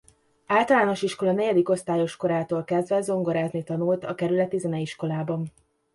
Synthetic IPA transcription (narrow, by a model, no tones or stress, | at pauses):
aːlt̪ɒlaːno̞ʃiʃko̞lɒnɛɟɛd̪iko̞st̪aːjo̞ʃko̞ɾaːt̪oːlkɛzd̪vɛzo̞ŋɡo̞ɾaːznit̪ɒnult̪ɒkɛɾylɛt̪izɛnɛiʃko̞laːbɒn